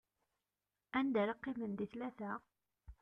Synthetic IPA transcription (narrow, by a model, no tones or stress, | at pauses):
ænd̪æɾɑqːɪmənd̪iθlæθæ